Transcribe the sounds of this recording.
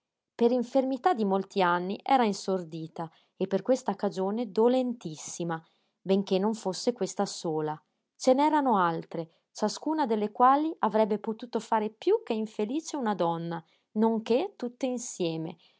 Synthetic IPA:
peɾiɱfermit̪ad̪ːimolt̪ianːiʔɛ̰ːɾainsord̪iːt̪a | epːerkwest̪akad͡ʒoːned̪olent̪isːima | beŋk̟enːoɱfosːekwest̪asoːla | t͡ʃenɛːɾanoalt̪ɾe | t͡ʃaskuːnad̪elːekwaːliʔavɾɛbːepot̪uːt̪ofaːɾepjuk̟ːeiɱfeliːt͡ʃeunad̪ɔnːa | noŋk̟et̪ːut̪ːeinsjɛːmḛ

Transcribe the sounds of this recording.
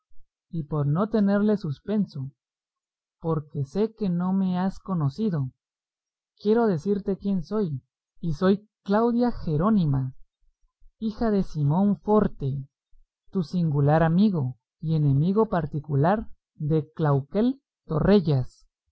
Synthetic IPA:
ipo̞ɾno̞t̪e̞ne̞ɾle̞suspe̞nso | po̞ɾke̞se̞ke̞no̞me̞asko̞no̞siðo̞ | kje̞ɾo̞ðe̞siɾt̪e̞kje̞nso̞j | iso̞j | klawðjaxe̞ɾo̞nima | ixaðe̞simo̞ɱfo̞ɾt̪e̞ | t̪usiŋɡulaɾamiɣo̞ | ie̞ne̞miɣo̞paɾt̪ikulaɾ | d̪e̞klawke̞l | t̪o̞̰re̞ʝas

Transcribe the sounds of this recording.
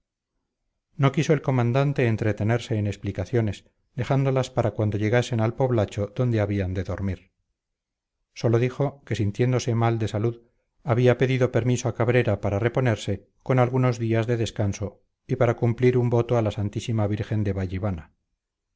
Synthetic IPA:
nokiso̞elko̞mãnd̪ant̪e̞ːnt̪ɾe̞t̪e̞ne̞ɾse̞ːneksplikaθjo̞ne̞s | d̪e̞χand̪o̞laspaɾakwand̪oʝe̞ɣ̞ase̞nalpo̞βlat͡ʃo̞ðo̞nd̪e̞aβiand̪e̞ðo̞ɾmiɾ | so̞lo̞ðixo̞ke̞sint̪je̞nd̪o̞se̞mald̪e̞saluð | aβiape̞ðiðo̞pe̞ɾmisoakaβ̞ɾe̞ɾapaɾare̞po̞ne̞ɾse̞ | ko̞nalɣuno̞zðiazðe̞ðe̞skanso̞ | ipaɾakumpliɾumbo̞t̪oalasant̪isimaβ̞iɾxe̞nd̪eβaʝiβana

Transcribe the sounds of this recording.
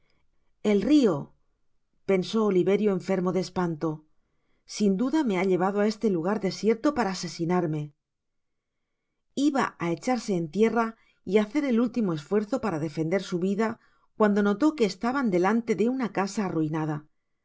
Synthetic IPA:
e̞lrio̞ | pe̞nso̞ːliβe̞ɾjo̞e̞ɱfe̞ɾmo̞ðespant̪o̞ | sind̪uðame̞aʎe̞β̞aðoae̞st̪e̞luɣ̞aɾðe̞sje̞ɾt̪o̞paɾaːse̞sinaɾme̞ | iβa̰ae̞t͡ʃaɾse̞ːnt̪je̞ra | iaθe̞ɾe̞lult̪imo̞e̞sfwe̞ɾθo̞paɾaðe̞fe̞nd̪e̞ɾsuβiða | kwand̪o̞no̞t̪o̞ke̞ːst̪aβand̪e̞lant̪e̞ðe̞unakasaːruinað̞a

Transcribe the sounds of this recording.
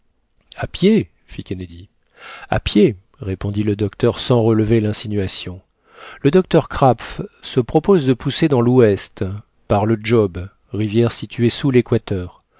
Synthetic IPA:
apje | fikʲɛned̪i | a̰pje | ʁepɔ̃d̪iləd̪ɔk̚t̪œʁsɑ̃ʁələvelɛ̃sinɥasjɔ̃ | ləd̪ɔk̚t̪œʁkχapfsəpχɔpɔzd̪əpused̪ɑ̃lwɛst̪ | paʁləd͡ʒɔb | ʁivjɛʁsit̪ɥesulekwat̪œːʁ

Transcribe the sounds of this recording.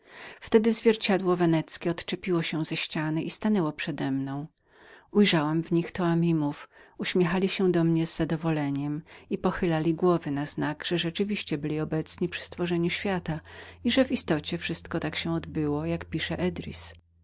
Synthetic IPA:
ft̪ɛd̪ɘzvʲjɛɾt͡ɕad̪wɔvɛnɛt̪skʲɛɔt̪t͡ʂɛpʲiwɔɕɛ̃zɛɕt͡ɕanɘʔist̪anɛwɔpʂɛd̪ɛmnɔ̃w̃ | ujʐawamvɲixt̪ɔamʲimufuɕmʲɛxalʲiɕɛd̪ɔmɲɛzːad̪ɔvɔlɛɲɛmipɔxɘlalʲiɡwɔvɘnaznaɡʐ̥ɛʐɛt͡ʂɘvʲiɕt͡ɕɛbɘlʲiɔbɛt̪sɲipʂɘ̥st̪fɔʐɛɲuɕfʲjat̪aiʐɛvist̪ɔt͡ɕɛfʂɘst̪kɔt̪akɕɛ̃ɔd̪bɘwɔjakpʲiʂɛʔɛd̪ɾʲḭs

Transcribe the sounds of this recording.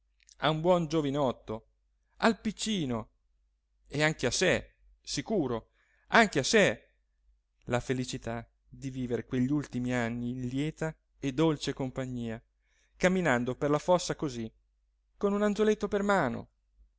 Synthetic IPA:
a̰umbwɔnd͡ʒovinɔt̪ːo | alpit͡ʃːiːno | eaŋk̟ease | sikuːɾo | aŋkease | lafelit͡ʃit̪a | d̪iviːveɾekweʎːiult̪imianːiːnljɛːt̪a | ed̪olt͡ʃekompaɲːiːa | kamːinand̪operlafɔsːakozi | konunant̪olet̪ːopermaːno̰

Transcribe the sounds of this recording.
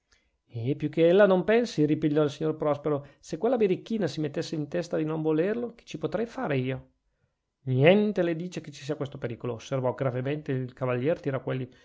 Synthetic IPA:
epjukːeelːanompɛnsiripiʎːɔilsiɲːorpɾɔspeɾosekwelːabiɾikːiːnasimet̪ːesːeint̪ɛst̪ad̪inoɱvolerloke̥t͡ʃipot̪ɾɛjfaːɾeiːo | njɛnt̪eled̪iːt͡ʃeket͡ʃːi̥siːakwest̪opeɾiːkoloːsːervɔɡɾavement̪eilkavaʎːɛːrt̪iɾɔkːwelːi

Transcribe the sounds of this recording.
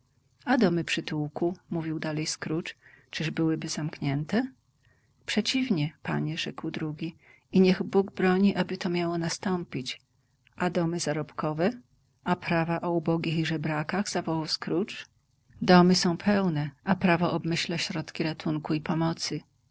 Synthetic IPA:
ad̪ɔmɘpʂɘt̪uwkumuvʲiwd̪alɛjskɾut͡ʂt͡ʂɘʐbɘwɘbɘzamkɲɛnt̪ɛ | pʂɛt͡ɕivɲɛpa̰ɲɛʐɛkwd̪ɾuɡʲi | iɲɛɣbuɡbɾɔɲiʔabɘt̪ɔmʲjawɔnast̪ɔmpʲit͡ɕ | ʔad̪ɔmɘzaɾɔpkɔvɛ | apɾavaʔɔubɔɡʲixiʐɛbɾakaɣzavɔwawskɾut͡ʂ | d̪ɔmɘsɔ̃w̃pʰɛwnɛʔapɾavɔʔɔbmɘɕlaɕɾɔt̪kʲiɾat̪uŋkuipɔmɔt̪sɘ

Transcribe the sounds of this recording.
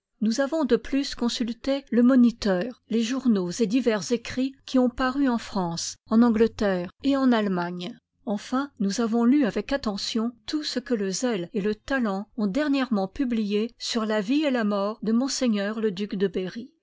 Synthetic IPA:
nuzavɔ̃d̪əplyskɔ̃sylt̪eləmɔnit̪œːʁleʒuʁnozed̪ivɛʁzekχikʲʰiɔ̃paʁyɑ̃fχɑ̃sɑ̃nɑ̃ɡlət̪ɛːʁeɑ̃nalmaɲ | ɑ̃fɛ̃nuzavɔ̃lyavɛkat̪ɑ̃sjɔ̃t̪usəkələzɛlelət̪alɑ̃ɔ̃d̪ɛʁnjɛʁmɑ̃pyblijesyʁlavielamɔʁd̪əmɔ̃seɲœʁləd̪ykd̪əbeʁi

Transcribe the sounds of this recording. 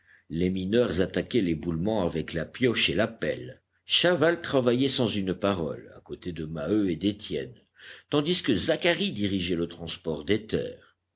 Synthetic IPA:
leminœʁzat̪akʲɛlebulmɑ̃avɛklapjɔʃelapɛ̰l | ʃavalt̪χavajɛsɑ̃zynpaʁɔ̰la̰kot̪ed̪əmaøed̪et̪jɛn | t̪ɑ̃d̪iskəzakaʁid̪iʁiʒɛlət̪χɑ̃spɔʁd̪et̪ɛ̰ːʁ

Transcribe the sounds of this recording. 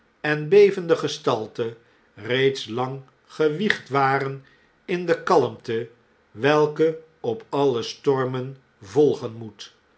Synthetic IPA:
ɛnbejvəndəχəstɑlˠtə | rejtslɑŋ | χəʋiχtʋaːɾən | ɪndəkɑləmtə | ʋɛlˠkə | ɔpɑləstɔɹmən | vɔlˠχənmut

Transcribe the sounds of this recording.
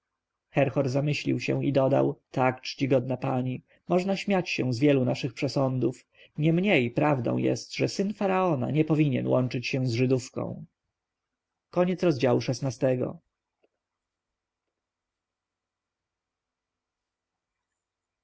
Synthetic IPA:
xɛɾxɔɾzamɘɕlʲḭwɕɛ̰̃id̪ɔd̪a̰wt̪akt͡ʂt͡ɕiɡɔd̪̚napaɲi | mɔʐnaɕmʲjat͡ɕɕɛ̰̃zvʲjɛlunaʂɘxpʂɛsɔnd̪uf | ɲɛmɲejpɾavd̪ɔ̰̃w̃jɛ̰st̪ʐɛsɘnfaɾaɔna̰ɲɛpɔvʲiɲɛ̰nwɔnt͡ʂɘt͡ɕɕɛ̃w̃zʐɘd̪ufkɔ̰̃w̃ | kɔɲɛt̪sɾɔzd͡ʑawuʂɛsnast̪ɛɡɔ̰

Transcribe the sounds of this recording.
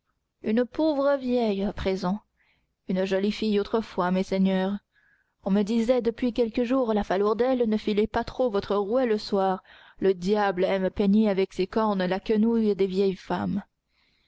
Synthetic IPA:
ynpovʁəvjɛjapχezɑ̃ | ynʒɔlifijot̪χəfwamɛsɛɲœːʁ | ɔ̃məd̪izɛd̪əpɥikʲɛlkəʒuʁlafalœʁd̪ɛlnəfilepat̪χovɔt̪χəʁuɛləswaːʁ | ləd̪jablɛmpɛɲeavɛksekɔʁnlakənujd̪evjɛjfam

